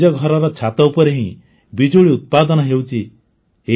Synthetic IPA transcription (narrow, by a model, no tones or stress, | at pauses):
ɔɡʱɔɾɔɾɔt͡ʃʰat̪ɔupɔɾeɦĩ | bid͡ʒoɽiut̪̚pad̪ɔnɔɦewt͡ʃʰi | ɦe